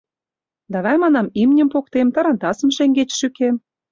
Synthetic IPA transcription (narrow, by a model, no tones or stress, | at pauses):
d̪ɑβæjmɑnɑmimnʲə̆mpok̚t̪emt̪ɑ̆ɾɑnt̪ɑsə̆mʃeŋɡet͡ɕʃykem